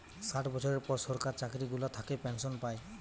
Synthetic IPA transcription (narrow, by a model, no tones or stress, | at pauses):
saʈʰbɔsʰɔɹɛɹpɔɹsɔɹkaɹt͡ʃakɾiɡulat̪ʰakɛpɛnsɔnpaj